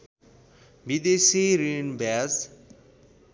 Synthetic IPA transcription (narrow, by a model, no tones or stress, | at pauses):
bid̪esiɾinbʱaz